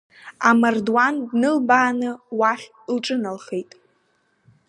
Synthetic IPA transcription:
amardwandnɨlbaːnɨwaχʲ | lʈ͡ʂʼɨnalχejtʼ

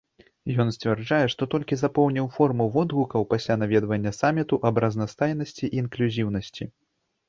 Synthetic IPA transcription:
jɔnsʲt͡sʲvʲɛrd͡ʐajɛʂt̪ɔt̪ɔlʲkʲizapɔwnʲiwfɔrmuwvɔd̪ɣukɐwpasʲlʲanavʲɛd̪vɐnʲːɐsamʲit̪uʔɐbrɐznɐst̪ajnɐsʲt͡sʲiʔiːnklʲuzʲiwnɐsʲt͡sʲi

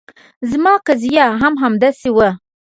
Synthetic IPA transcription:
zmɑːkazijaɦamɦamd̪asewə

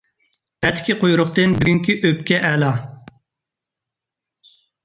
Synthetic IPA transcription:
ɛt̪ʰːkʲiqʰojuɾʊχt̪ɨnbyɡʲyŋkʲiʔøpkʲɛʔɛlɑ

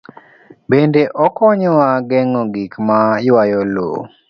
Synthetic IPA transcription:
bendeʔɔkɔɲɔwaɡɛŋɔɡikmajwajɔlo̰

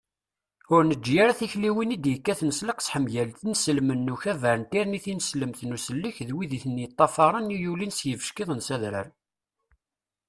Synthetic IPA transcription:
ʊɾnəd͡ʒːjaɾæθiçliwinid̪jəkːæθnəsləqsħəmʝælθinəsəlmənːuçævəɾənt̪iɾniθinəsləmθnusəlːəçðwiðiθənjət̪ˤːɑfɑɾˤənijulinsjəvə̥ʃkiðˤənsæðɾə̰ɾ

